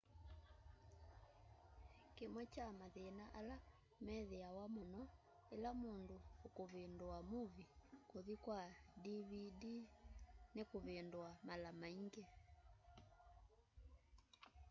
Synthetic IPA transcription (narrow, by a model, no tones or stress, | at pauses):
kemwɛt͡ʃamaðenaʔala | mɛðɛawamɔnɔ | elamondoːkoβendoamuβikoðikwadiβidinekoβendwamalamaiŋɡe